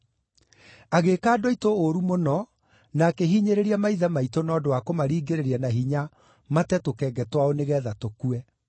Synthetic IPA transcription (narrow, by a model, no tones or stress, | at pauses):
aɣekaːdoitooɾumonɔ | naːkeɦiɲeɾeɾiamaiðamaitonɔdowakomaɾiːɡeɾeɾianaɦiɲa | matɛtokɛɡɛtwaoneɣɛːðatokuɛ